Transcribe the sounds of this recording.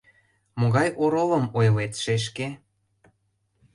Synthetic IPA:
moɣɑjʔoɾolɤ̆mojlet̪ʃeʃ̬ke

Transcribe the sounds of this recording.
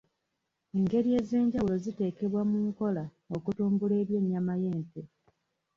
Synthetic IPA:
e̞ŋɡe̞ɾie̞ːze̞ːɲɟawulo̞zite̞ːke̞βwamuŋko̞la | o̞kutuːmbule̞ːβje̞ːɲːamaje̞ːnte

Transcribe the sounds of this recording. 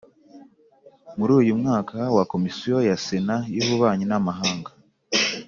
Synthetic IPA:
muɾuːjumŋaːkʰawako̞misijo̞jasenajoβuβaːɲinamaɦaːŋɡḁ

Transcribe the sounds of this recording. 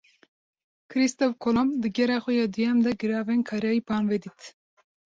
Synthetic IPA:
kʰɨɾist̪ofkʰolomd̪ɨɡɛɾɑːxʷɛjɑːd̪ɨjɛmd̪ɛɡɨɾɑːvenkʰɑːɾjɑːipʰɑːnvɛd̪it̪

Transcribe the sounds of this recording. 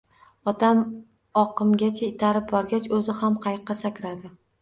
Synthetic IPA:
ɒt̪ʰam | ɒqɨmɡʲat͡ʃʰaɪt̪ʰaɾɪp̚bɒɾɡʲat͡ʃɵzɪhamqʰɑjqːɑsakʲɾad̪ɪ

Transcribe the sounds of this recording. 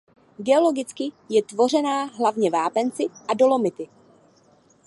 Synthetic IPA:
ɡɛolo̞ɡɪt͡skɪ | jɛt̪vo̞r̝ɛnaːɦlavɲɛvaːpɛnt͡sɪʔado̞lo̞mɪt̪ɪ

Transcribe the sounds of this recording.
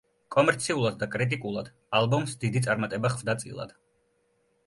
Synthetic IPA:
kʼɔmɛɾt̪sʰiulˠad̪d̪akʼɾit̪ʼikʼulˠad̪̥ | alˠbɔmsd̪id̪it̪sʼaɾmat̪ʼɛbaχvd̪at̪sʼḭlˠa̰d̪̥

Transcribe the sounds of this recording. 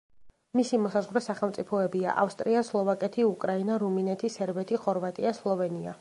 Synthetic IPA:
misimɔsazʁwɾɛsaχɛlˠmt̪sʼipʰɔɛbia̰ʔa̰fst̪ʼɾiaslˠɔvakʼɛt̪ʰiukʼɾainaɾuminɛt̪ʰisɛɾbɛt̪ʰiχɔɾvat̪ʼiaslˠɔvɛnia̰

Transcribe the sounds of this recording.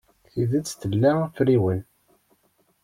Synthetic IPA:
θiðæt͡sːθəlːæfɾiwən

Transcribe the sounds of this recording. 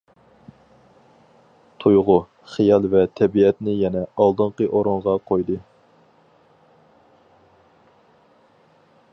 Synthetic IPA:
t̪ʰojʁʊ | χijɑlˠvɛt̪ʰɛbiɛt̪nɪjɛnɛɑlˠd̪ɨɴqəʔoɾoɴʁɑqʰojd̪ɨ

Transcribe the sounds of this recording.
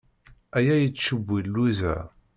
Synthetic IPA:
æjæjət͡sːʃəbʷːilːuzæ̰

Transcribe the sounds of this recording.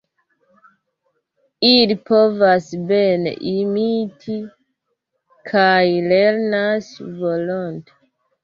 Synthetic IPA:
ilipovasbenḛʔimitʰi | kʰajleɾnasvolonte̥

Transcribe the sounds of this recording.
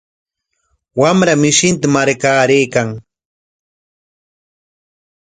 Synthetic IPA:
wamɾamɪʃɪnt̪amaɾkaːɾejkaŋ

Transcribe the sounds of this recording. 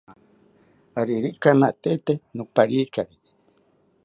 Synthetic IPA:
aɾiɾikanaʔt̪et̪enũpaɾikaɾi

